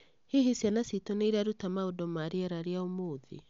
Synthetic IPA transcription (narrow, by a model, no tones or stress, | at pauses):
hehesjanasitoneiɾaɾutamaodɔmaɾiɛɾaɾeaomoːðḭ